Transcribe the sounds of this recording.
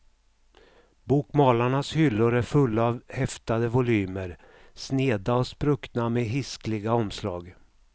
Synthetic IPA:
buːkmɑːlaɳashʏlːʊɾæɾfɵlːavhɛft̪ad̪əvʊlyːməɾ | sneːd̪aɔspɾɵkt̪nameɦɪsklɪɡaɔmslɑ̰ːɡ

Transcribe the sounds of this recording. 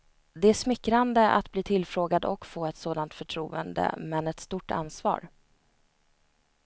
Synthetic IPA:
d̪ɛæʂmɪkːɾand̪əʔa̰t̪bliːt̪ʰɪlfɾoːɡad̪ɔ̰kfoːɛt̪soːd̪ant̪fœʈʰɾuːə̰nd̪ə̰mɛnɛt̪st̪uʈa̰nsvɑ̰ːɾ

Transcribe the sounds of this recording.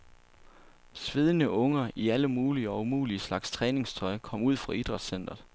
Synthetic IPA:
sʋe̝ð̞ˠənəʔɔ̽ŋɐʔiæləmuːliəɒ̽umṵːliəslɑ̈ɡ̥st͡sʰʁɛːne̝ŋst͡sʰɒ̽ɪkʰɒ̽m̰uð̞̰ˠfʁɑ̈id̥ʁɑ̈d̥sen̰d̥ɐðˠ

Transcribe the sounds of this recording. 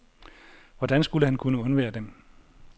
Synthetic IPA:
ʋɒd̥ænsɡ̥uləhænkʰunəɔ̽nʋḛːɐd̥em

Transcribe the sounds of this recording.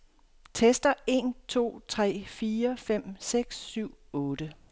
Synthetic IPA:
t͡sʰesd̥ɐe̝̰ːnt͡sʰo̝̰ːt͡sʰʁɛ̰ːfiːɐfem̰seɡ̥sːyʊ̰ɔ̽ːd̥ə

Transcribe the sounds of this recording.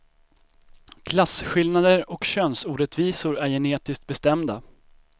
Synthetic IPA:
kʰlasɧɪlnad̪əɾɔkɕœnsuːɖɛt̪viːsʊɾæɾjɛneːt̪ɪsk̚t̪̚bɛst̪ɛmd̪a

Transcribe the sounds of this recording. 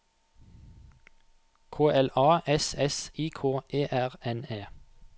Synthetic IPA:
kʰoːʔɛlɑːɛsɛsiːkʰoːʔeːʔæʁɛneː

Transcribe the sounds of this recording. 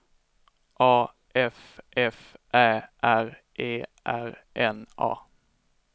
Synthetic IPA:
ʔɑː | ʔɛfʔɛfʔæːʔæɾʔeːʔæ̰ɾʔɛnɑ̰ː

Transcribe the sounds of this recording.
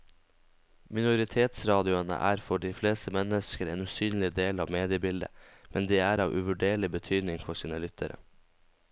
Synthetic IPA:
mɪnʊɾɪt̪ʰeːt̪sɾɑːd̪ɪʊənə̰ʔæːɾfɔɖiːfleːst̪əmɛnəskəɾḛːnʉːsyːnlɪd̪eːlɑːʋmeːd̪ɪəbɪld̪ə̰mʔɛnd̪iːæːɾɑːʋʔʉ̰ʋʉɖeːɭɪbət̪ʰyːd̪nɪŋfɔʂiːnəlʏt̪ʰəɾə̰

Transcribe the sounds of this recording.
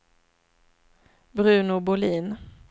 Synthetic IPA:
bɾʉ̟ːnʊbʊliːn

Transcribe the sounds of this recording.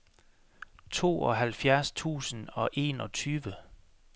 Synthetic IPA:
t͡sʰo̝̰ːɒ̽ɦælfjæɐst͡sʰṵːsən̩ɒ̽ʔe̝ːnɒ̽t͡sʰyːʋə

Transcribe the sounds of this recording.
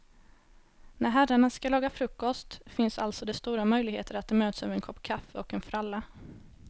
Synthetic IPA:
næɾɦæraɳaskalɑːɡafɾɵkːɔst̪fɪnsalt̪sɔd̪ɛst̪uːɾamœjlɪɡheːt̪ʰəɾat̪̚d̪ɛmøːt̪sœ̰ːvɛnkʰɔpːkʰafːəɔkɛnfɾalːa

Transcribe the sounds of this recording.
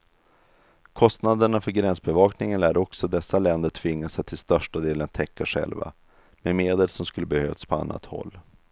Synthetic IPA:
kʰɔst̪nad̪əɳafœɾɡɾɛnsbɛvɑːknɪŋənæɖɔksɔd̪ɛsːalɛnd̪əʈʰvɪŋːasat̪ʰːɪlst̪œʂʈad̪eːlənt̪ʰɛkːaɧɛ̰lva̰ | mɛmeːd̪əlsɔmskɵlːəbɛhøːvspʰɔa̰nːa̰t̪hɔ̰lː

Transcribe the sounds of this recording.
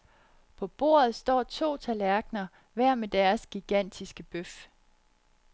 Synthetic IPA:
pʰɒ̽b̥o̝̰ːɐ̰ð̞̩ˠsd̥ɒ̰ːt͡sʰo̝̰ːt͡sʰælæɐɡ̥nɐ | ʋæɐ̰med̥æɐsɡ̥iɡ̥æn̰d̥isɡ̥əb̥øf

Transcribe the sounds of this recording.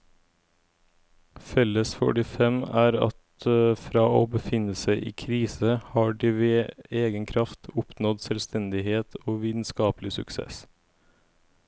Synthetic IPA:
fɛləsfɔ̰ʈɪfɛmæːɾɑ̰t̪fɾɑːoːbəfɪnəsæɪʔiːkʰɾiːsəhɑːɖiːʋeːeːɡənkʰɾɑft̪ʰʊpʰnɔd̪sɛlst̪ʰɛnd̪ɪheːt̪ʰoːʋiːt̪n̩skɑːplɪsʉksḛːs

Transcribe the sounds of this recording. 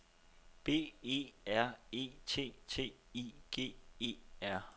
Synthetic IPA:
b̥e̝̰ːe̝̰ːæɐ̰e̝̰ːt͡sʰe̝̰ːt͡sʰe̝̰ː | iːɡ̥e̝̰ːe̝̰ːæɐ̰

